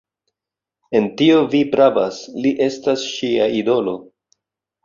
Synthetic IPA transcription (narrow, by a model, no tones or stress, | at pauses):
e̞ntio̞vipɾavasliʔe̞stasʃiaido̞lo̞